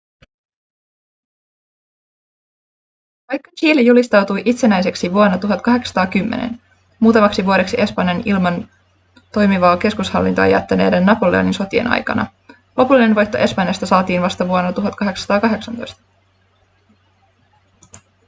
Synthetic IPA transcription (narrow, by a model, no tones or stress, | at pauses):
ʋɑjkːɑt͡ʃiːlejulist̪ɑwt̪ujʔit̪se̞næjs̬e̞ksiʋuonːɑt̪uɦɑt̪kɑɦe̞ksɑ̥t̪ɑːkymːḛnḛn | muːt̪ɑmɑksiʋuoɾe̞ksiʔe̞spɑnjɑnilmɑn | t̪o̞jmiʋɑːke̞skushɑ̰lːint̪oɑ̰jæ̰t̪ːæneːdenːɑpole̞̰o̰ninso̞t̪iḛnʔɑ̰jkɑ̰nɑ̰ | lʔo̞pulːine̞nʋo̞jt̪ːo̞ʔe̞spɑnjɑst̪ɑsɑːt̪iːnʋɑst̪ɑʋuonːɑt̪uɦɑt̪kɑɦe̞ksɑ̥t̪ɑːkɑɦe̞ksɑnt̪o̞jst̪ɑ̥